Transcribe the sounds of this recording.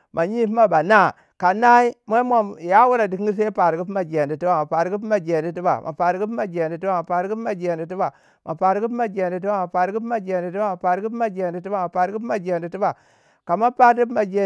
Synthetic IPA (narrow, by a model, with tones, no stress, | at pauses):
mʔa˨ɲi˦pma˦ba˨na˦˨ | ka˨na˦i˦ma˦mo˨ja˦wu˦ɾa˨di˨kɡi˦s̬e˦pa˨ɾɡi˦p̬ma˨d͡ʒe˨n˨di˨ti˦ba˨ma˨pa˨ɾɡi˦p̬ma˨d͡ʒe˨ndi˨˦t̬i˦ba̰˨mʔa̰˨pa˨ɾɡi˦pma˨d͡ʒe˨n˨di˨ti˦ba˨ma˨pa˨ɾɡi˦pma˨d͡ʒe˨ndi˨ti˦ba˨ | mʔa˨pa˨ɾɡi˦pma˨d͡ʒe˨ndi˨ti˦ba˦˨ma˨pa˨ɾɡi˦pma˨d͡ʒe˨ndi˨ti˦a˦˨ma˨pa˨ɾɡi˦pma˦˨d͡ʒe˨ndi˨ti˦ba˦˨ma˨pa˨ɾɡi˦pma˨d͡ʒe˨ndi˨ti˦ba˨ | ka˨ma˦pa˦ɾi˦pma˨d͡ʒe˨